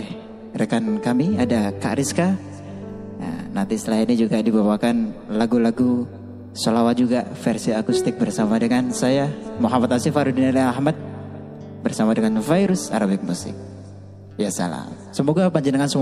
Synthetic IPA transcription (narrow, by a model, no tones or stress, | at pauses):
ɛ | rekankamiadaka̰ʔɾiska | a̰nant̪isəlainid͡ʒuɡadibawakanlaɡulaɡu | solawad͡ʒuɡafɛrsiakust̪ɪk̚bərsamadəŋansajamoɦamat̪asifaɾudinaliahmat̪̚ | bərsamadəŋanfaiɾʊsa̰ɾabik̚musɪ̰k̚ | jasa̰la̰m | səmoɡapaɲd͡ʒinaŋansəm